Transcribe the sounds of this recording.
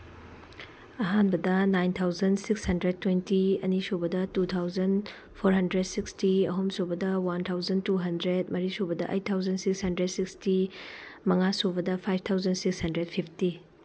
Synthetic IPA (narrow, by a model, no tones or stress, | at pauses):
ɐɦanbɐdɐnajnt̪ʰawzɐnsikshɐndɾed̚tːwentiɐ̰nisobɐdɐtut̪ʰawzɐn | pʰoɾɦɐndɾed̚sikstiɐɦomsobɐdɐwantʰawzɐntuɦɐndɾed̚mɐɾisobɐdɐʔɐ̰j̚tʰawzɐnsikshɐndɾed̚sikstimɐŋasobɐdɐpʰajp̚ʰt̪ʰawzɐnsikshɐndɾed̚pʰipʰti